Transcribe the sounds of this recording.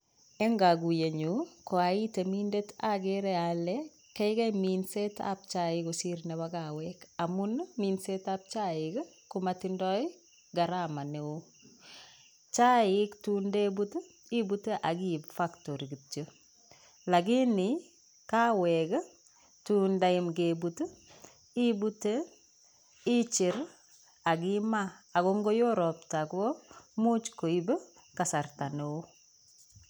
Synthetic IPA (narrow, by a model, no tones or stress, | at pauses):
eŋɡaɡujeɲukoaitemindetaɡeɾeale | kejɡeminseta̰b̚t͡ʃaiɡosiɾneβaɡawekamunminsetap̚t͡ʃaik | kumatindɔj | ɡaɾamaneo | t͡ʃaɪktundebut | ibuteʔaɡibfaktoɾɡitə | laɡini | kaweɡ | tundaimɡebut | ibute | it͡ʃiɾ | aɡimaaɡoŋɡojoɾop̚taɡomut͡ʃkoib | kasaɾtaneo